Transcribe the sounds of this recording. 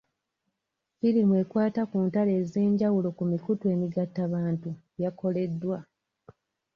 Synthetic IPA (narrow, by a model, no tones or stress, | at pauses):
filimwe̞kwaːtakuːntale̞ːze̞ːɲɟawulo̞kumikutwe̞ːmiɡatːaβaːntu | jako̞le̞dːwa